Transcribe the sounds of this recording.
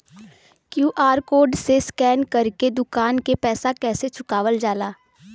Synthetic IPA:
kjuːʔaːɾkoːɾɖseskɛːnkɐɾked̪ʊkaːnkepɛːsakɛːset͡ʃʰʊkaːʋəld͡ʒaːlaː

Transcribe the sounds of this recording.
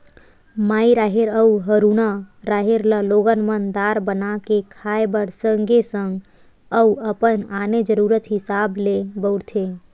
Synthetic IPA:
maːiɾaːɦeɾəuɦəɾuːnaɾaːɦeɾləloːɡənmənd̪aːɾbənakekʰaːebəɽsəŋɡesə̃ŋɡ | əuəpənaːned͡ʒəɾuːɾət̪ɦɪsaːblebəʊɾt̪ʰe

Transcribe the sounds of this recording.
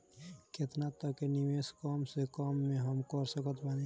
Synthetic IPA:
ket̪nat̪əkeniʋeskɔmsekɔmːẽɦəmkəɾsəkət̪ʰbani

